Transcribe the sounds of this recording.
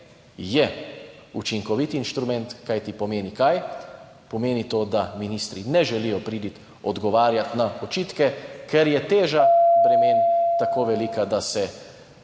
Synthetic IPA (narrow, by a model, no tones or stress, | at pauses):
jɛut͡ʃiŋkɔʋit̪inʃt̪ɾumɛnt̪kajt̪ipɔmeːnikaj | pɔmeːnit̪oːd̪aminiːst̪ɾinɛʒɛlijɔpɾiːd̪it̪ | ɔd̪ɡɔʋaːɾjat̪naɔt͡ʃiːt̪kɛkɛɾjɛt̪eːʒab̥ɾɛmeːnt̪akoːʋɛlikad̪asɛ